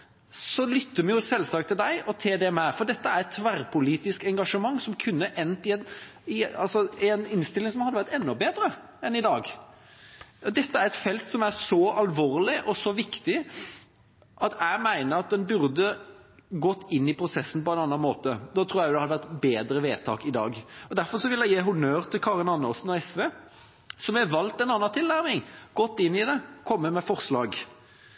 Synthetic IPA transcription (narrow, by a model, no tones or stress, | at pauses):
sɔlʏt̪ːəmɛjʊsɛlsɑkt̪ʰːɪld̪æɪʔɔt̪ʰeːd̪ɛmæfɔɾd̪ɛt̪ːəæɾɛt̪ʰːʋæɾpʰʊliːt̪ɪskɛŋɡɑʂəmɑŋːsɔmkʰʉnːəʔɛnt̪ɪɛnɪɑlsɔɛnɪnst̪ɪlːɪŋsɔmhɑd̪ːəʋæɾt̪ɛnːɔbeːd̪ɾə | ɛnɪd̪ɑːɡ | d̪ɛt̪ːəæɾɛt̪fɛlt̪sɔmæɾsɔɑlʋoːɾlɪʔɔsɔʋɪkt̪ɪ | ʔɑt̪ʰæɪmæɪnəɾɑt̪̚d̪ɛnbʉɾd̪əɡɔt̪ːɪnːɪpʰɾʊsɛsːn̩pɔɛnɑnːɑnmoːt̪əd̪ɑt̪ʰɾuːɾjæʊd̪ɛhɑd̪əʋæt̪beːd̪ɾəʋeːt̪ʰɑ̰ːkɪd̪ɑ̰ːɡɔd̪æɾfɔɾʂɔʋɪljæɪjiːɦʊnøːɾt̪ʰɪlkʰɑːʁɪnɑnːəɔsn̩ɔɛsʋeː | sɔmæʋɑlt̪ɛnɑnːɑnt̪ʰɪlnæɾmɪŋɡ̥ɔt̪ːɪnːɪd̪ɛkʰɔmːəmɛfɔʁslɑːɡ